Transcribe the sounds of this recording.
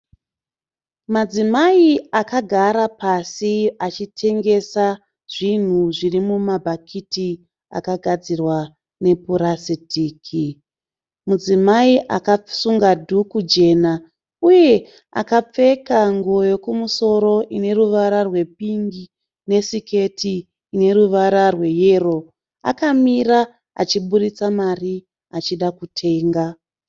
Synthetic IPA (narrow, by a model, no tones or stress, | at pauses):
mad͡zimaiakaɡʱaɾapasiat͡ʃitʰe̞ŋɡe̞sa | ʐ̥in̤uʐirimumabʱakʰiti | a̰kaɡʱad͡zirwa | ne̞puɾasitiːkʰi | mud͡zimaiʔakasuŋɡadʱukud͡ʒe̞na | uje̞ | a̰kap͡fe̞kaŋɡojo̞kumuso̞ɾo̞ʔine̞ruʋaɾarwe̞p̚iŋɡi | ne̞sike̞tiː | ne̞ruʋaɾarwe̞je̞ro̞ | a̰kamira | a̰t͡ʃiɓuɗit͡samari | at͡ʃiɗakutʰe̞ːŋɡa